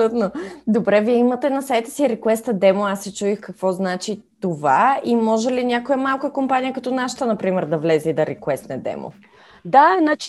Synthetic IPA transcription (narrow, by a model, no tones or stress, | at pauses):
lut̪nod̪obɾɛviɛimət̪ɛnɐsaɛt̪ɛ̥siɾɛkwɛst̪əd̪ɛmoasːɛt͡ʃuixkɐkvɔznat͡ʃitt̪ovaimɔʒɛlinʲakojəmalˠkəkompanijəkɐt̪ɔnaʃə̥t̪ənɐpɾimɛɾd̪ɐvlɛzɛid̪ɐɾɛkɛst̪nɛd̪ɛ̰mo̰ | d̪anat͡ʃ